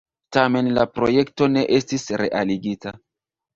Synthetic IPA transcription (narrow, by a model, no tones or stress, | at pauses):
tame̞nlapɾo̞je̞kto̞ne̞ʔe̞stisɾe̞̰ʔaliɡita